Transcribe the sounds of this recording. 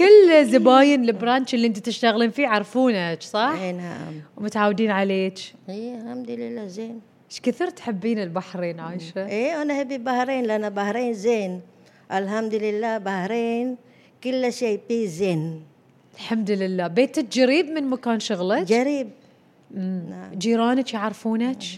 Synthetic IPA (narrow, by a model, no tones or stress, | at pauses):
kɪlːzɪbaːjɪnlɪbɾant͡ʃɪlːiʔɪnt̪it̪ɪʃt̪aɣliːnfiːʕɑɾˤfuːnat͡ʃsˤɑħnaʕ̰mwmʊt̪ʕaːwd̪iːnʕaleːt͡ʃialhamd̪ʊlɪlːaːzeːn | ʃkɪθiːɾt̪ħɪbːiːnɪlbaħɾeːnʕajʃaʔeːwanaħɪbːilbahɾeːnlanabahɾeːnzeːn | ʔalɦamd̪lɪlːaːbahɾeːn | kʊlːaʃebiːzeːn | ɪlħamd̪lɪlːaːbeːt̪ad͡ʒaɾiːd̪mɪnmakaːnʃʊɣlɑd͡ʒaɾiːb̚ | mnaʕd͡ʒiːɾɑːnat͡ʃjaʕɾˤfuːnat͡ʃ